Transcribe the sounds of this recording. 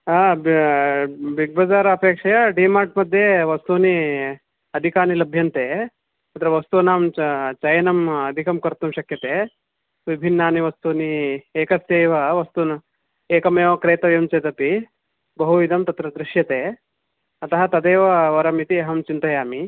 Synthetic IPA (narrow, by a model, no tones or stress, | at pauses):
aːb | bʱiɡ̚bɐd͡zaːɾɐɐpeːkʂɐjɐɖiːmaːʈmɐd̪ʱjeʋɐst̪uːni | ɐd̪ʱikaːnilɐbʱjɐnt̪eː | ɐt̪ɾɐʋɐst̪unaːmt͡ʃɐjɐnɐmɐd̪ʱikɐmkɐɾt̪umʃɐkjɐt̪eː | ʋibʱinːaːniʋɐst̪uːnieːkɐseːʋɐʋɐst̪un | eːkɐmeːʋɐkɾeːt̪ɐʋjɐmt͡ʃɐt̪ɐpi | bɐɦuʋid̪ʱɐmt̪ɐt̪ɾɐd̪ɾɪʃjɐt̪eː | ɐt̪ɐɦɐt̪ɐd̪eːʋɐʋɐɾɐmit̪ieɦɐmt͡ʃint̪ɐjaːmi